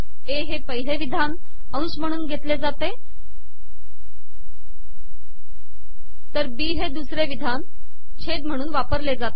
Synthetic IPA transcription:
eɦepəɦileʋid̪ʱan | əw̃sm̤əɽ̃uːnɡʱet̪led͡zat̪e | t̪əɾbiːɦed̪usɾeʋid̪ʱan | t͡ɕʰed̪m̤əɽ̃uːnʋapəɾled͡zat̪e

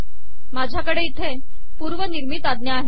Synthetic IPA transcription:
mad͡ʑʱjakəɽeit̪ʰe | puɾʋəniɾmit̪ad̪njaːɦe

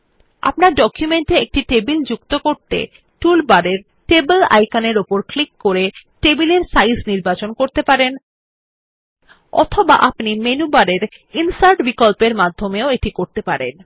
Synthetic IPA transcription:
a̰pnaɾɖɔkʰjumeɳʈeek̚ʈiʈebild͡ʑukt̪okoɾt̪ḛ | ʈulbaɾeɾ | ʈebela̰jkaneɾopoɾklikːoɾeʈebileɾsajsniɾbat͡ɕonkoɾt̪epaɾen | ɔ̰t̪ʰoba̰ʔapnimenubaɾeɾ | insaɾʈbikolpeɾmad̪ʱːomeoeʈikoɾt̪epaɾḛn

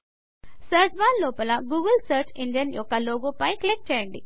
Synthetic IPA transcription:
sɐːɾd͡ʒʋaːnlːɔːpɐlɐɡuːɡɐlsɐːɾt͡ʃiɳɖjɐnjɔkːɐloːɡoːpɐjkɐlek̚ʈ̚t͡ʃɛːjɐɳɖi

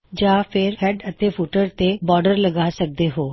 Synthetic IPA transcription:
d͡ʒãːfʰɪɾhɛːɖət̪epʰuːʈəɾt̪ebɔːɖəɾləɡaːsək̚d̪eːɦoː

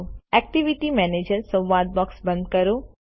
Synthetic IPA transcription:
ɛk̚ʈiʋiʈimɛned͡ʒəɾsə̃wʋad̪̚bɔksbə̃nd̪̚kəɾo

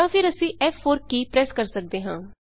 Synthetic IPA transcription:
ãːfɪɾəsĩːʔɛːpʰːoːɾkiːpɾɛːskəɾsək̚d̪eːɦãː

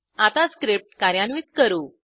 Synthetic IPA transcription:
at̪askɾip̚ʈkaɾjanʋiːt̪̚kəɾuː

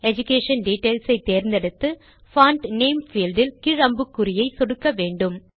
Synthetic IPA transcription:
ɛd͡ʒʊkːeːʂɐnɖiːʈːɐɪlsɐɪt̪ːeːɾnd̪ɛɽɯt̪ːɯ | faːɳʈneːmfiːlɖɪlkɪɻɐmbɯkːʊɾɪjɐɪsɔɽɯkːɐʋeːɳɖɯm

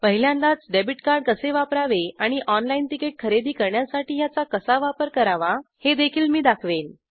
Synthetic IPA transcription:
pəɦiljãnd̪at͡sɖebiʈkaɾɖ̚kəseʋapɾaʋeaɽ̃iʔɔnlainʈikeʈ̚kʰəɾed̪iːkəɾɳjasaʈiːjat͡sakəsaʋapəɾkəɾaʋahed̪ekʰiːlmiːd̪akʰʋen

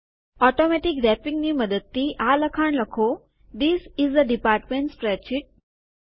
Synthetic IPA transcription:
ɔʈomɛʈikɖɛpĩŋɡniːməd̪ət̪ːiːʔaləkʰaɳləkʰo | d̪isizd̪əɖipaːɾʈmẽɳʈspɾɛʃiʈ̚

